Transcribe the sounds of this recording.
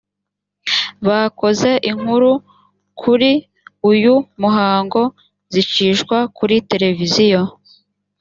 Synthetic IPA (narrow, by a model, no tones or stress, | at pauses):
βako̞ze̞ʔiŋ̥huɾu | kʰuɾi | ujumuɦaːŋɡo̞ | zit͡ʃiːʃɡwakʰuɾite̞ɾe̞vizijo̞